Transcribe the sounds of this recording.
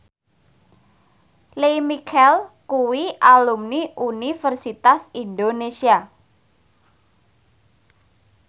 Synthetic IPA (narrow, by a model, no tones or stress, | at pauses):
lemikʰɛlkuwiʔalumniʔunifərsit̪asind̪onesia